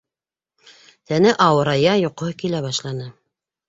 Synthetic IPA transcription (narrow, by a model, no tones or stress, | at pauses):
t̪ænɘʔɑwɤ̆ɾɑjɑjoqkilæβɑʃlˠɑnɤ